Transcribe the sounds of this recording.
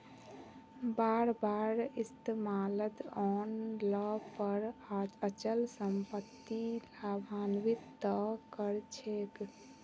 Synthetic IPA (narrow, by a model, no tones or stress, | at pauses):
baɾbaɾist̪emalət̪ɔnləpəɾad͡ʒət͡ʃəlsəmpət̪ːilabʱanʋit̪ːəkəɾt͡ʃʰek